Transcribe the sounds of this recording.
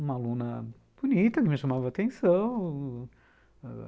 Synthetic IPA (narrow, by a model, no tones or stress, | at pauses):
ũmɐlũnɐ | b̥unit̪ɐkɪmɪʃɐmavɐat̪ẽsɐ̃w̃